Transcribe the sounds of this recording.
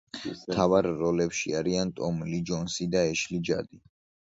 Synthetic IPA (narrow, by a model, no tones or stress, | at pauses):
mt̪ʰavaɾːɔlɛpʃiaɾiant̪ʼɔmlid͡ʒɔnsid̪aɛʃlid͡ʒa̰d̪i